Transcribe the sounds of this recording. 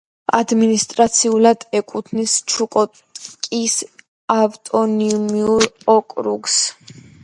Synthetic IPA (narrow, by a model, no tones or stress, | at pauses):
ad̪minist̪ʼɾat̪sʰiulad̪ɛkʼut̪ʰnist͡ʃʰukʼɔt̪ | kʼis | avt̪ʼɔniumiuɾɔkʼɾuɡs